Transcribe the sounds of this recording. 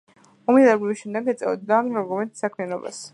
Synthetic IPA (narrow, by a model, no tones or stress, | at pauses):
ɔmilɛɡliviʃɛmd̪ɛɡɛt̪sʼɛ̰ɔd̪ːaɔɾɡumɛnt̪sakʰmianɔba̰s